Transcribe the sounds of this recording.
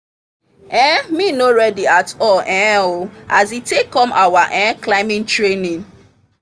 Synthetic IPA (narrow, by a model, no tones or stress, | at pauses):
ɛ̃minoɾɛdiatɔlʔɛ̃oazitekɔmʔa̰waʔɛ̃klaɪmĩntɹenĩn